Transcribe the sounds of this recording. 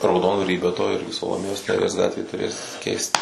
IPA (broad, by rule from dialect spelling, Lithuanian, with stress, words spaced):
rɐʊˈdoːndʋɐrʲiː bʲɛ toː ˈɪrʲɡʲɪ sɐlˠoːˈmʲeːjoːs nʲɛˈrʲiɛs ˈɡɑːtʲʋʲeː tʊˈrʲeːs kʲɛɪst